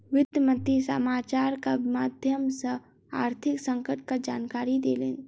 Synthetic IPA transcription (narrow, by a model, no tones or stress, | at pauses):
ʋɪd̪jəmə̃nt̪isəmaːt͡ʃaːɾkamaːd̪ʱjəmsə | aːɾt̪ʰɪksə̃ŋkəʈ̚kad͡ʒaːnkaːɾid̪eːleːn